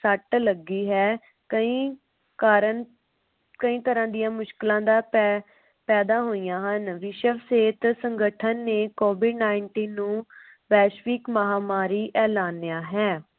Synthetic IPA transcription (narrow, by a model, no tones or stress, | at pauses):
səʈləɡːiːɦɛː | kəĩː | kaːɾən | kəĩːt̪əɾãːd̪ɪjãːmʊʃkɪlãːd̪aː | pɛːd̪aːɦoːijãːɦənʋɪʃəʋseːt̪səŋɡəʈʰənːeːkoːʋɪɖnaːɪɳʈiːnːũː | ʋɛːʃʋiːkməɦaːmaːɾiːʔɛːlaːnːjaːɦɛː